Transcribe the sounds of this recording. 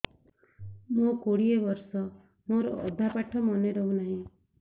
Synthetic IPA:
mokoɽiebɔɾsɔ | moɾɔ̰ʔɔd̪ʱapaʈʰɔmɔneɾɔɦũnaɦĩ

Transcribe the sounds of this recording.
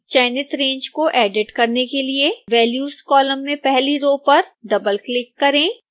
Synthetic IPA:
t͡ʃɛːnɪt̪ɾẽːɲd͡ʒkoʔɛːɖɪʈkɐɾnekelieʋɛːljuːskɔːlə̃mːẽpɛɦliɾoːpɐɾɖɐbəlklɪkːɐɾẽː

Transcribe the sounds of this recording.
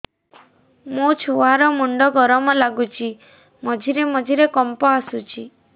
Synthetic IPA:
mut͡ʃʰoaɾɔmuɳɖɔɡɔɾɔmɔlaɡut͡ʃʰi | mɔd͡ʒʱiɾemɔd͡ʒʱiɾekɔmpɔasut͡ʃʰi

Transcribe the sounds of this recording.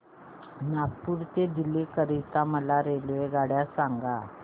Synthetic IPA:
nakpuɾt̪ed̪ilekəɾit̪aməlaɾelʋeɡaɽjasaŋɡa

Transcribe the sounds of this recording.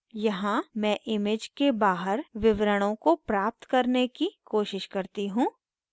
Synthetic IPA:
jɐɦãmɛ̃ːʔɪmɪd͡ʒkebaːɦəɾʋɪʋɾəɽ̃õkopɾaːp̚t̪kɐɾnekikoːʃɪʃkɐɾt̪iɦũː

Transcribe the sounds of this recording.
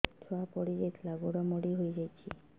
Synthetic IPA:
t̪ʰapɔɽid͡ʒet̪ʰlaɡoɽamoɽiɦoid͡ʒajt͡ʃʰe

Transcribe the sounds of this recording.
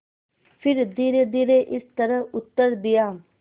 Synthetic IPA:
fʰɪɾd̪iːɾed̪iːɾeʔɪst̪əɾəɦʊt̪ːəɾd̪ɪjaː

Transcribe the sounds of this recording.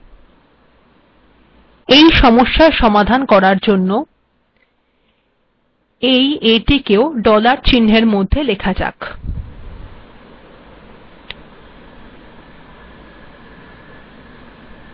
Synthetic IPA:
ejʃɔmoʃːaʃɔmad̪ʱankɔɾaɾd͡ʑonːo | ejeʈikeoɖɔlaɾt͡ɕinːeɾmod̪ʱːelekʰad͡ʑa̰k

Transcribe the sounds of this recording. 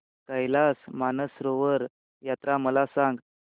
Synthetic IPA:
kəjlasmanəsɾoʋəɾ | jat̪ɾaməlasãŋɡ

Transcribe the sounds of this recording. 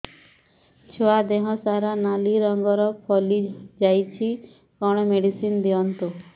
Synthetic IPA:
t͡ʃʰɔad̪eɦɔsaɾanaliɾɔŋɡɔɾɔpʰɔlid͡ʒajt͡ʃʰi | kɔɽ̃ɔmeɽisind̪iɔnt̪u

